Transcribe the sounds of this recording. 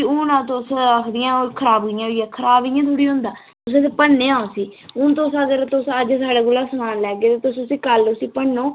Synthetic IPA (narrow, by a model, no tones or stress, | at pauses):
uːnãːt̪osəkʰd̪ɪjãːoːkʰəɾaːbɡjãjãːkʰəɾaːbɪjãːt̪ʰuːɽiːɦʊ̃nd̪aː | ʊs̬t̪epəɽnːeːãːõsiːʊnt̪osəɡəɾt̪ʊsəd͡ʒsaːɽaːɡʊlaːsəmaːnlɛːɡeːt̪eːt̪ʊsʊsiːkəlʊsiːpəɳːoː